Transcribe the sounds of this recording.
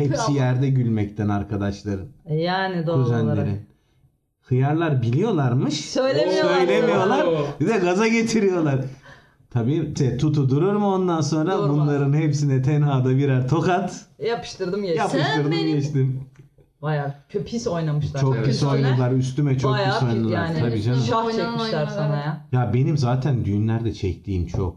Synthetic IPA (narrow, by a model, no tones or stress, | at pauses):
hɛpsijæɾd̪ɛɟylʲmɛct̪ʰænaɾkʰad̪aʃlˠaɾɯnjaːnɪd̪odyzænlʲeɾḭn | hɯjaɾlˠaɾbilʲijo̞lˠaɾmɯʃsøjlʲemisjøjlʲemijo̞lˠaɾbid̪ɛɡazaɟe̞t̪ʰiɾijo̞lˠaɾ | t̪ʰabiːʃɛt̪ʰut̪ʰud̪uɾuɾmuo̞nd̪anso̞nɾabunlˠaɾɯnhɛpsinɛt̪ʰɛnɦaːd̪abiɾaɾt̪ʰo̞kat̪japɯ̥ʃt̪ˠɯɾd̪ɯmɛjap̪ʰɯʃt̪ˠɯɾd̪ɯmɟɛt͡ʃt̪im | bajaːcʰøpʰiso̞jnamɯʃlˠat͡ʃʰokysojnalˠaɾys̬t̪ymɛt͡ʃʰokiso̞jnaalˠaɾʰabiːd͡ʒanaɛiʃjaɾsanaajabe̞nimzaːt̪ʰænd̪yjymlʲæɾd̪ɛt͡ʃʰɛct̪ʰiːnt͡ʃʰo̰k̚